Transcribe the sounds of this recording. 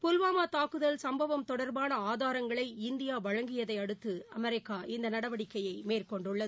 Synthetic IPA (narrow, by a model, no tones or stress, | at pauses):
pʊlʋaːmaːt̪aːkːɯðɐlsɐmbɐʋɐmt̪ɔɽɐɾbaːnɐaːðaːɾɐŋɡɐɭɐɪɪnd̪ɪjaːʋɐɻɐŋɡɪjɐðɐɪɐɽɯt̪ːɯɐmɛɾɪkːaːʔɪnd̪ɐnɐɽɐʋɐɽɪkːɐjɐɪmeːrkɔɳɖʊɭːɐ